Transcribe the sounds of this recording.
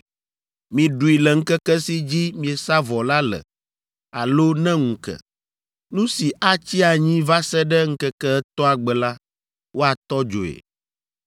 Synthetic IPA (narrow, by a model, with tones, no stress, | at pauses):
mĩ˨ɖu˨i˨lɛ˨ŋ̩˦kɛ˦kɛ˦si˦d͡ʑi˦mĩ˨e˨sa˦vɔ˨la˦lɛ̰˨ | a̰˨lo˦nɛ̃˦ŋũ˨kɛ̰˨ | nũ˦si˨ʔa˦t͡ɕi˦a˨ɲĩ˦va˦sɛ˦ɖɛ˦ŋ̩˦kɛ˦kɛ˦ɛ˦t̪ɔ˦a˨ɡ͡bɛ˨la˦ | wo˦a˨t̪ɔ˦d͡ʒo̰˨ḛ˨